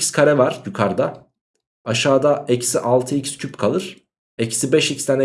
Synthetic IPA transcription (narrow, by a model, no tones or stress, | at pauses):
skʰaɾɛvaɾ̥jukʰaɾd̪a | aʃaːd̪aʔecsiʔalˠt̪ʰɯicscʰypkʰalˠɯɾ̥ | ecsibɛʃicist̪ʰanɛ